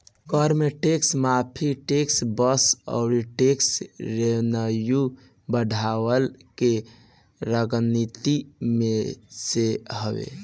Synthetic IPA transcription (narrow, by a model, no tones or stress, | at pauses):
kɔɾmeʈeksmapʰiʈeksbəsɔ̰ʊɾiʈeksɾenəju | bəɖʱawəlke | ɾəɡənːit̪imeseɦəbḛ